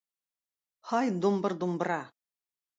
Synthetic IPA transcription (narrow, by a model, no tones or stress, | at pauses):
hɑjd̪ombɤ̆ɾd̪umbɤ̆ɾɑ